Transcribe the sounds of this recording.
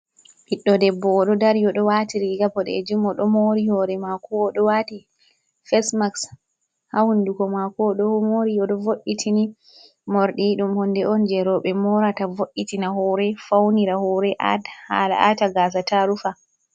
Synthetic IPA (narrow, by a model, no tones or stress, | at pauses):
hiɗːɔdɛbːɔːɗɔdaɾjɔɗɔwatiɾiɡabɔɗɛ̰ed͡ʒumːɔɗɔmoɾihɔɾɛmakɔːɗɔwati | fɛsmaks | hawundukɔmakɔɗɔhmoɾijɔɗɔvoɗːitʰini | mɔɾɗiɗumhɔndɛʔɔnd͡ʒɛɾɔɓɛmɔɾatavoʔːitinaɦɔɾɛfawniɾahɔɾɛʔa̰dha̰la̰ʔataɡas̬ataɾufa